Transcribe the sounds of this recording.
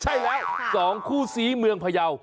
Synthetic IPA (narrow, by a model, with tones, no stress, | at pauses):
t͡ɕʰa˥˩jlɛː˦˥wsɔː˩˦ŋkʰuː˥˩siː˩˦mɯ˧əŋpʰa˧ja˧w